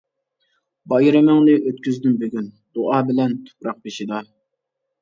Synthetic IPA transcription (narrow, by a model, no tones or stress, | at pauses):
bɑjɾɪmɪŋnɪʔøt̪kʲyzd̪ymbeɡʲyn | d̪̥oʔɑːbɪlɛnt̪ʰu̥pɾɑq̚beʃid̪ɑ